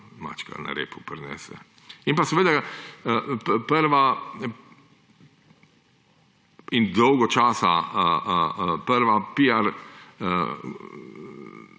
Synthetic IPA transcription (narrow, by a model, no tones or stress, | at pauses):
ma̰ːt͡ʃka̰na̰ɾḛːpupɾnɛ̰ːsɛ̰ | inpasɛʋeːd̪a | pəɾʋa | ind̪ɔwɡɔt͡ʃaːsa̰ | pəɾʋapiaɾ